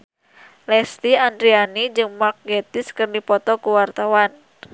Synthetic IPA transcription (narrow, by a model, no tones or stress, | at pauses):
lɛst̪iandɾianid͡ʒɨŋmak̚ɡet̪ɪskɨrdipɔt̪ɔkuwart̪awan